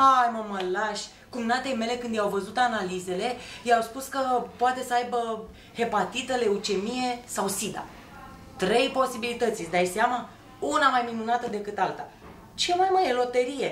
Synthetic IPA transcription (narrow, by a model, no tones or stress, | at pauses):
ajməməlaʃʲ | kumnat̪e̞jme̞le̞kɨnd̪jawvəzut̪analize̞le̞jawspuskəpoat̪e̞səajbə | he̞pat̪it̪əle̞ut͡ʃe̞mije̞sawsid̪a̰ | t̪ɾe̞jpo̞sibilit̪ət̪sʲjd̪ajseama | unamajminunat̪əd̪e̞kɨt̪alt̪a | t͡ʃemajmaɾelo̞t̪eɾije̞